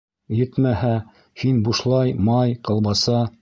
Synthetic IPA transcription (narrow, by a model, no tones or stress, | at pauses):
jɘ̆t̪mæhæ | hinbuʃlˠɑjmɑjqɤ̆lˠβɑsɑ